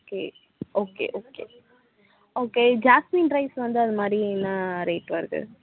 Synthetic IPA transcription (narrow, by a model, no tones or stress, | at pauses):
okeː | oːkḛːʔoːkḛ | oːked͡ʒaːsminɖɾɐɪsʋɐnd̪ɯɐðɯmaːd̪ɾinːaːɾeːʈʋɐɾɯkɯ̰